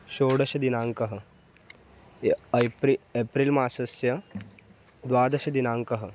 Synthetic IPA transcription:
ʃoːɽɐʃɐd̪inaːŋkɐɦɐ̆ | pɾiepɾilmaːsɐsjɐ | d̪ʋaːd̪ɐʃɐd̪inaːŋkɐɦɐ̆

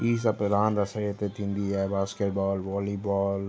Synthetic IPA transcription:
piːs̬ɐpɾãːnd̪ɐsəɾet̪et̪ʰĩnd̪iɦɛbaːskeʈbɔːlʋɔːlibɔːl

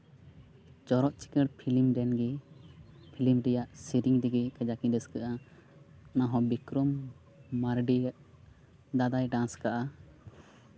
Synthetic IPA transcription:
d͡ʒɔɾɔʔt͡ʃi̥kəɽpʰilimɾɛnɡɛ | pʰilimɾɛjaʔsiɾiŋd̪iɡɛkɛd͡ʒakĩd̪əskəʔa | naɦɔ̃bikɾɔmː | aɾɖiaʔ | d̪ad̪ajɖãnskaʔa

